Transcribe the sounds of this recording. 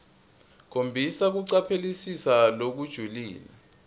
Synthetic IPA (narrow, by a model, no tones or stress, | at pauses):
k̬ʰombʱisak̬uǀapʰelisisalok̬ud̥ʒ̥ʱulḭːla̰